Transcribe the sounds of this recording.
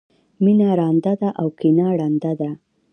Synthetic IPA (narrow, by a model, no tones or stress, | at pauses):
minaɾɑnd̪ad̪aʔawkinaɽɑnd̪ad̪a